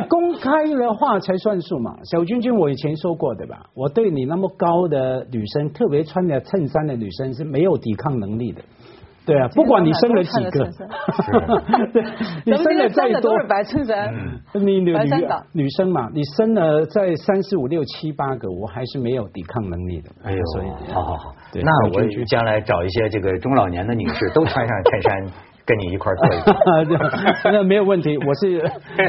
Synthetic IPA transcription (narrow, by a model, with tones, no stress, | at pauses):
kʊ˥ŋkʰa˥ɪlə˨xwa˥˩t͡sʰa˧˥ɪswa˥˧nsu˥˩ma̰˨˩ɕjɑ˨˩ʊt͡ɕy˥nt͡ɕy˥nwɔ˧˩i˨˩t͡ɕʰjɛ˧˥nʂwɔ˥kwɔ˥˩t̪ə̰˥˩ɪba̰˨˩wɔ˨˩t̪we˥˩ɪni˨˩na˥˩mə˨kɑ˥ʊd̪ə˨ny˨˩ʂə˥ŋt̪ʰɤ˥˩pjɛ˧˥t͡sʰwa˥nt̪ja˨˧t͡sʰə˥˧nsa˥nd̪ə˨ny˨˩ʂə˦ŋʂɻ̩˥˩me˧˥ɪjo˨˩ʊt̪i˨˩kʰɑ˥˩ŋnə˧˥ŋli˥˩d̪ə̰˩ | t̪we˥˩a˨pu˥˩kwa˨˦ni˨˩ʂə˥ŋlə˨t͡ɕi˨ɡə˦ | t̪ni˨ʂə˥ŋlə˨t͡sa˥˩ɪ˧t̪wɔ˥˧˥ni˨˩ni˧˩ny˨˩ny˨˩ʂɤ˥ŋmɐ˨ni˨˩ʂə˥ŋnə˨t͡sa˥˩ɪsa˥nʂɻ̩˧˥u˨˩ljo˥˩ʊt͡ɕʰi˥pa˥ɡə˨wɔ˨˩xa˧˥ɪʂɻ̩˥˩me˧˥ɪjo˨˩ʊt̪ḭ˨˩kʰɑ˥˩ŋnə˧˥ŋlḭ˥˩d̪ə̰˩swɔ̰˧˥ḭ˨ɑ˧˥˧t̪we˥˩na˥˩˥wɔi˥y˥˩t͡ɕjɑ˥ŋla˧˥ɪʈ͡ʂɑ˨˩ʊi˥˩ɕ̬jɛ˥ʈ͡ʂɤ˥˩ɡə˩ʈ͡ʂʊ˥ŋlɑ˨˩ʊnjɛ˧˥nd̪ə˨ny̰˨˩ʂɻ̩˥˩t̪o˥ʊʈ͡ʂʰwa˥nʂɑ˥˧ŋtʰa˥˩ɪʂa˥n | kə˥nni˨˩i˧˥kʰwa˥˧ɔ˥˧i˥˩˥ | na˥˩me˧˥ɪjo˨˩ʊwə˥˩nt̪ʰi˧˦˥wɔ˨˩ʂɻ̩˥˩